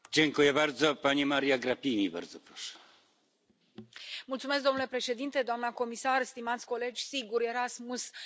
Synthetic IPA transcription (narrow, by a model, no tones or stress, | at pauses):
d͡ʑeŋkujɛbaɾd̪zɔpaɲimaɾijaɡɾapʲiɲiba̰ɾd̪zɔpɾɔʂɛ̥ | mult̪sumesk̚d̪o̞mnule̞pɾeʃe̞d̪int̪e̞d̪oamnəko̞misarst̪imat̪sʲko̞le̞d͡ʒʲsiɡuɾe̞ɾasmus